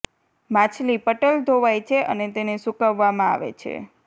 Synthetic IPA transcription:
mãt͡ʃʰlipəʈəld̪ʱoʋajt͡ʃʰeʔənet̪enesukəʋːamãa̰ʋḛt͡ʃʰḛ

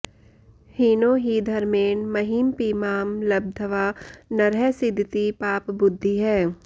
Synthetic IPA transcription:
hiːnoːɦid̪ʱɐɾmeːnmɐɦiːmpiːmaːmlɐb̚d̪ʱəʋaːnɐɾɛsɪd̪ʱɪt̪ipaːpbʊd̪ʱːiɦɛː

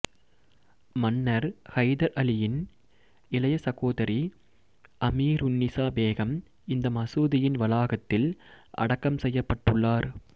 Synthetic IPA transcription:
mɐnːɐɾhɐɪðɐɾɐlɪjɪn | ɪlɐjɐsɐɣoːðɐɾi | ʔɐmiːɾʊnːɪsaːbeːɣɐm | ɪnd̪ɐmɐsuːðɪjɪnʋɐlaːɣɐt̪ːɪlʔɐ̰ɽɐkːɐmsɛjːɐpːɐʈːɯɭːaːɾ

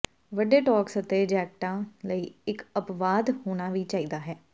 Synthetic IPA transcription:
ʋəɖeːʈɔːksət̪eːd͡ʒɛːk̚ʈãːləiːɪkəpʋaːd̪hoːɽ̃aːʋiːt͡ʃaːiːd̪aːɦɛː

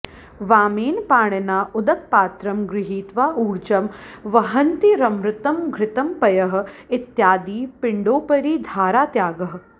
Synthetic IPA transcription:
ʋaːmeːnpaːɳɐnaːʔʊd̪ɐk̚paːt̪ɾɐmɡɾɪɦiːt̪ʋaːʔuːɾt͡ʃɐmʋɐɦɐnt̪iɾɐmɾɪt̪ɐmɡʱɾɪt̪ɐmpɐjɐɦɐ̆ɪt̪jaːd̪iːpɪɳɖoːpɐɾiːd̪ʱaːɾaːt̪jaːɡɐɦɐ̆

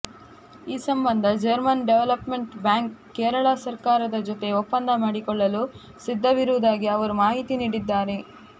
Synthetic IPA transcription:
iːsɐmbɐnd̪ʱɐd͡ʒɐɾmɐnɖeʋelɐpmeɳʈbjaːŋkːɛːɾɐɭasɐɾkaːɾɐd̪ɐd͡ʒot̪e̞opːɐnd̪ʱɐmaːɽikɔɭːɐlu | sid̪ʱːɐʋiɾuʋud̪aːɡiɐʋɐɾumaːɦit̪iniːɽid̪ːaːɾe̞

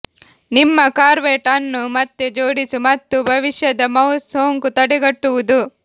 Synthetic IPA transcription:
nimːɐkaːɾʋeːʈɐnːumɐt̪ːud͡ʒoːɽisumɐt̪ːubʱɐʋiʂjɐd̪ɐmɐwsoːŋkut̪ɐɽɛɡɐʈːuʋud̪u

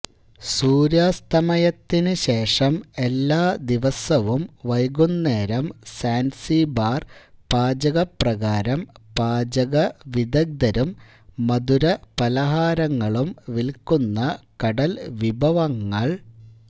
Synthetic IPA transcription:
suːɾjaːst̪ɐmɐjɐt̪ːinɨɕe̞ːʂɐme̞lːaːd̪iʋɐsɐʋumʋɐjɡunːeːɾɐmsaːnsibaːrpaːd͡ʑɐɣɐprɐɣaːɾɐmpaːd͡ʑɐɣɐʋid̪ɐɡ̚d̪ɐɾumː | ɐd̪uɾɐpɐlɐɦaːɾɐŋːɐɭumʋilkunːɐkɐɽɐlʋibʱɐʋɐŋːɐɭ

